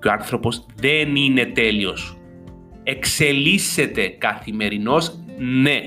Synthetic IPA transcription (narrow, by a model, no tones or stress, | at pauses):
oɐnθɾo̞po̞zðe̞nine̞t̪e̞lio̞s | e̞kse̞lise̞t̪e̞kɐθime̞ɾino̞sne